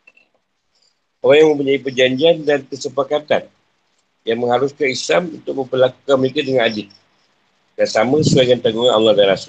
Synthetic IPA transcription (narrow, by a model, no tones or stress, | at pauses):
ʔoɾaŋjaŋmə̃mp̬uɲaipərd͡ʒaɲd͡ʒiandankəsəpakat̪an | jaŋmə̃ŋhaɾuskanislamunt̪ʊk̚mə̃mpərlakukanməlekadəŋanadɪt̪̚ | dansamãsəaŋant̪aɡuŋana̰lahdalas